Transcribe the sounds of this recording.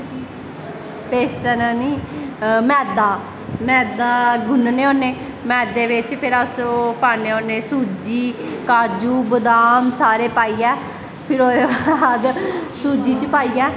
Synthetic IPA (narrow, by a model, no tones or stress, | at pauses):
peːsɛːnaːniːmɛːd̪aː | mɛ̃ːd̪aːɡʱʊnneːoːneː | mɛːd̪eːʋɪt͡ʃpʰɪɾasopaːneːoːneːsuːd͡ʒiːkaːd͡ʒuːbəd̪aːmsaːɾeːpaːiːɛː | pʰɪɾoːeʋad̪suːd͡ʒiːt͡ʃəpaːiːɛː